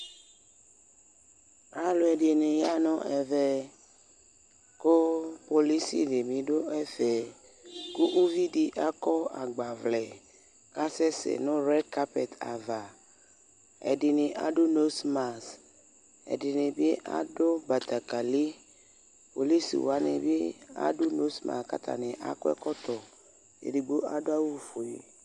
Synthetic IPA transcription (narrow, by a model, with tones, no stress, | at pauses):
a˦lo˦ɛ˨de˨nẽ˨ja˦nɔ̃˦ʔɛ˨vɛ˦ | ko˦po˨li˦sḭ˨de˨mĩ˨do˦ɛ˦fɛ˨ | ku˦ʔu˦vi˦di˦ʔa˦kɔ˦a̰˨ɡ͡ba˨vlɛ˨ | ka˦sɛ˦sɛ̰˨nõ˦ɾɛ˦ka˦pɛ̰˨t̪a̰˨va˨ | ɛ̰˨dɪ˨nɪ̃˨ʔa̰˨dʊ˦no˦sma˨s | ɛ̰˨dɪ˨nɪ˨bɪ˦ʔa̰˦dʊ˦ba˨t̪a˨ka˨li˦ | po̰˨li˦sḭ˨wa˨˦nɪ˨bɪ˦a̰˦dʊ˦no˦sma̰˨ska̰˦t̪ʰa̰˨nɪ̃˨ʔa̰˨kɔ˦ɛ̰˦kɔ˦t̪ɔ˨ | ḛ˨di˨ɡ͡bo˦a˦dʊ˦a˦wu˦fo˨e˨